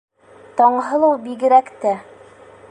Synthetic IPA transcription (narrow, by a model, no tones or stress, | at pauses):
t̪ɒɴɦɤ̆lˠɤwbiɡɘ̆ɾækt̪æ